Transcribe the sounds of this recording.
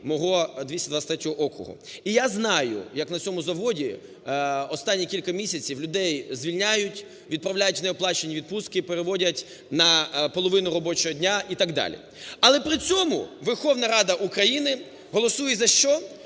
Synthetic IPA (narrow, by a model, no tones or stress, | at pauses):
mɔɦɔd̪ʲisʲɐd̪ʋasʲt̪ɾɛtʲɔɦɔʔɔkʊ̰ɦʊ̰ijaznɑjʊ̰jɐknɐt͡sʲɔmʊzɐʋɔdʲi | ɔst̪ɑnʲːikʲilʲkɐmʲisʲɐt͡sʲiwlʲʊd̪ɛjzʋʲilʲnʲajʊtʲ | ʋʲid̪̚pɾɐwlʲajʊtʲʋnɛɔplˠɑt͡ʃenʲːiʋʲid̪̚puskɪpeɾeʋɔdʲɐtʲ | nɐpɔlˠɔʋɪnʊɾɔbɔt͡ʃɔɦɔdʲnʲaʔit̪ɑɡd̪ɑ̰lʲḭ | ɐlˠɛpɾɪt͡sʲɔmʊ̰ʋerxɔwnɐɾɑd̪ɐʔukɾɐjinɪ | ɦɔlˠɔsujɛzɐʃt͡ʃɔ